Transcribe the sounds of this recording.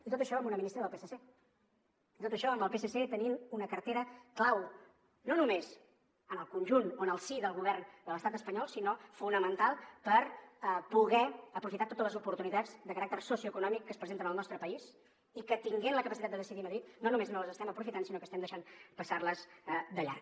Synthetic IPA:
it̪ot̪əʃɔəmunəminist̪ɾəðəlpesəse | it̪ot̪əʃɔəmbəlˠpeseset̪əninunəkəɾt̪eɾəklaw | nonumez | ənəlˠkunʲʒunoənəlˠsiðəlˠɣuβɛrnd̪ələst̪at̪əspəɲɔlˠsinofunəmənt̪alˠpəɾəpuɣɛəpɾufit̪at̪ot̪ələzupuɾt̪unit̪ad͡zd̪əkəɾak̚t̪ərsosiuəkunɔmikːəspɾəzent̪ənəlˠnɔst̪ɾəpəis | ikət̪iŋɡɛnləkəpəsit̪at̪d̪əðəsiðiməðɾit̪nonumeznoləzəst̪ɛməpɾufit̪ansinokəst̪ɛmd̪əʃanpəsarləzd̪əʎa̰ɾ

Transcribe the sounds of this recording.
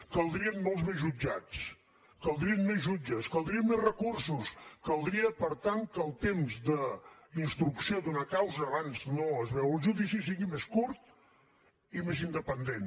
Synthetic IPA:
kəlˠd̪ɾiənmɔlˠzβezʒud͡ʒa̰t͡s | kəlˠd̪ɾiənmezʒud͡ʒəskəlˠd̪ɾiənmezrəkursuskəlˠd̪ɾiəpəɾt̪aŋkəlˠt̪emzðəinst̪ɾuksiod̪unəkawzəːβanznoəzβɛwəlˠʒuðisisiɣimeskuɾt̪̚ | imezind̪əpənd̪en

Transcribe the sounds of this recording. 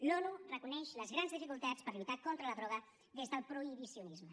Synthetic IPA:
lɔnurəkunɛʃləzɣɾanzðifikulˠt̪at͡spəɾlut̪akɔnt̪ɾələðɾɔɣ̞ə | ðezðəlˠpɾuiβisiunizmə

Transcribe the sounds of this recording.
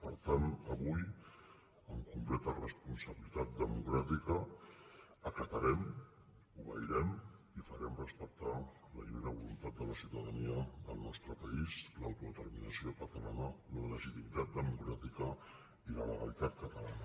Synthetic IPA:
pəɾt̪anəβuj | əŋkumplɛt̪ərəspunsəβilit̪at̪̚d̪əmukɾat̪ikəː | kət̪əɾɛm | uβə̰iɾɛm | ifəɾɛmrəspək̚t̪a | ləpɾimeɾəβulunt̪at̪̚d̪ələsiwt̪əðəniəðəlˠnɔst̪ɾəpəislawt̪uðət̪əɾminəsiokət̪əlanələləʒit̪imit̪at̪̚d̪əmukɾat̪ikə | ilələ̰ɣə̰lit̪at̪̚kət̪əlanə

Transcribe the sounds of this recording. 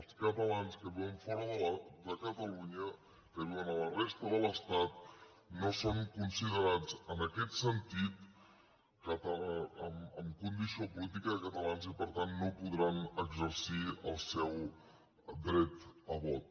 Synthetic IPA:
əlˠskət̪əlanskəβiwəɱfɔɾəðəld̪əkət̪əluɲə | kəβiwənələrɛst̪əðələst̪at̪̚ | nosoŋkunsiðəɾad͡zənəkɛt̪sənt̪it̪ | kət̪əəməmkund̪isiopulit̪̬ikəðəkət̪əlanzipəɾt̪anːopuðɾanəɡzəɾsiəlˠsɛw | d̪ɾɛt̪əβɔt̪̚

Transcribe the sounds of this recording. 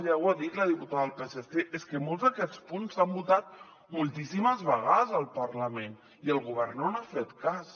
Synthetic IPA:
ʒawaðit̪ləðiput̪aðəðəlpeseseʔeskəmolˠzðəkɛt͡spunzambut̪at̪̚ | mulˠt̪isiməzβəɣaðəzəlˠpəɾləmen | iəlˠɣuβ̞ɛɾnonafet̪kas

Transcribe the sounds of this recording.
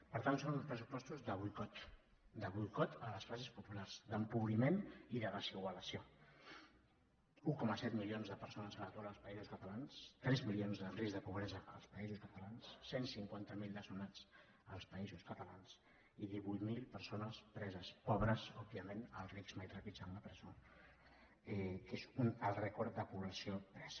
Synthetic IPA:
pəɾt̪antsonũnspɾəsupɔst̪uzðəβujkɔt̪ | d̪əβujkɔt̪ələsfazespupularz̥d̪əmpuβɾimeniðəðəsiɣwələsio | ukɔməsɛt̪milionzðəpəɾsonəzəət̪uaɾəlˠspəizuskət̪əlanst̪ɾɛzmilionzðərizðəpuβɾɛzəʔəlˠspəizuskət̪əlansːensiŋkwant̪əmilˠd̪əsunat͡s | əlˠspəizuskət̪əlans | iðiβujt̪milˠpəɾsonəspɾɛzəspɔβɾəsɔb̚iəmenəlˠrikzmajt̪ɾapit͡samləpɾəzo | ɛkezunəlˠrɛkɔɾt̪d̪əpuβləsiopɾɛz̥

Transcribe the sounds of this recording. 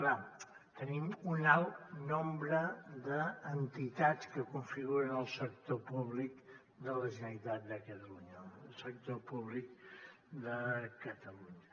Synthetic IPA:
kla | t̪ənimunalˠnombɾəd̪əːnt̪it̪at͡skəkuɱfiɣuɾənəlˠsək̚t̪opuβlik | d̪ələʒənəlit̪at̪̚d̪əkət̪əluɲəlˠsək̚t̪opuβlik̚ | d̪əkət̪əluɲə

